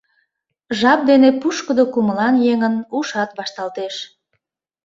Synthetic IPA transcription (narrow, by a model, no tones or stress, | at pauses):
ʒɑp̚d̪enepuʃkəd̪okuməlɑnjeŋənuʃɑt̪βɑʃt̪ɑlt̪eʃ